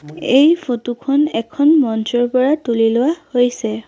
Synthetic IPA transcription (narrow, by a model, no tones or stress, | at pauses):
ejfʰotukʰɔnɛkʰɔnmɔnsɔɹpɔɹatulilʊwahojsɛ